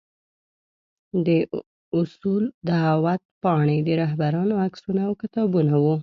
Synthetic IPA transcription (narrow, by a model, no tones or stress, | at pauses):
d̪ə | ʊsuld̪əɦawat̪̚pɑɳed̪əɾaɦbaɾɑnoaksunaːwkɪt̪ɑbunawu